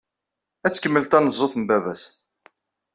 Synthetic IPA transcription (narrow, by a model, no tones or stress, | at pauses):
æt͡sːkəmːəlt̪ænəzˤːoθəmbævæs